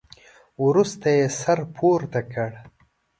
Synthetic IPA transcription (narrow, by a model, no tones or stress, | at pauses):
wɾust̪ajesaɾpʰoɾt̪akəɽ